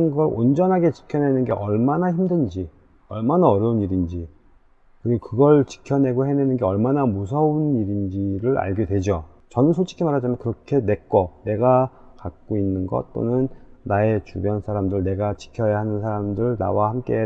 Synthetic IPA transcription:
nɡʌɾo̰nd͡ʑʌnɦaɡe̞t͡ɕi̥kʰjʌne̞nɯnɡe̞ʔʌɭmanaçimdɯnd͡ʑi | ʌɭmanaʌɾjʌuniɾind͡ʑi | kɯɾiɡokɯɡʌɭt͡ɕi̥kʰjʌne̞ɡohe̞nenɯnɡe̞ʌɭmanamusʰʌuniɾind͡ʑiɾɯɾa̰ɭɡjedwe̞d͡ʑo | t͡ɕʌnɯnsʰot͡ɕ͈ʰi̥kʰimaɾɦad͡ʑamjʌnkɯɾʌkʰe̞ne̞k͈ʌne̞ɡakak̚k͈oinːɯnɡʌ̰t̚t͈o̰nɯnːae̞t͡ɕubjʌnsʰaɾamdɯɭne̞ɡat͡ɕi̥kʰjʌjaɦanɯnsʰaɾamdɯɭna̰wahamk͈e̞

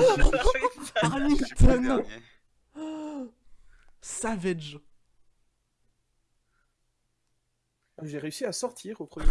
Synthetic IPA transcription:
aʁniŋt̪ʰɔno | savɛʒ | ʒeʁeysiasɔʁt̪ʰiʁopχɔd̪

